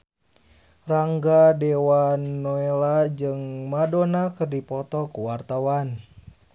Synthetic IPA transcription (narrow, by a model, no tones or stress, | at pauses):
raŋɡadewanːoelad͡ʒɨŋmadonakɨrdipɔt̪ɔkuwart̪awan